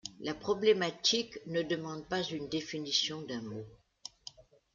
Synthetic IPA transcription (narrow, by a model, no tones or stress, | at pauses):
lapχɔblemat̪iknəd̪əmɑ̃d̪̚pazynd̪efinisjɔ̃d̪ɛ̃mo